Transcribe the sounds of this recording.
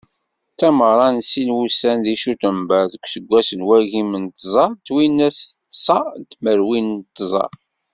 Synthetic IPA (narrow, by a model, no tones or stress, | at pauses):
t̪ːæməɾˤɑnsilwusænðiʃut̪əmbæðəkʷːsəɡʷːæsəlwæʝimənt̪zˤɑt̪ːwinːæst̪sɑt̪məɾwint̪ːzˤɑ̰